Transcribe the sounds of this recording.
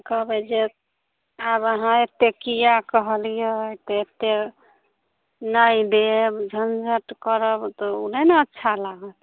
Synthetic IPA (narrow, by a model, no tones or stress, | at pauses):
kəbɛd͡ʒe | abəɦãet̪ːekijakəɦəlijet̪ɔet̪ːe | naid̪ebd͡ʒʱənd͡ʒʱəʈkəɾəbt̪ɔuneneətːʃʰalaɡət̪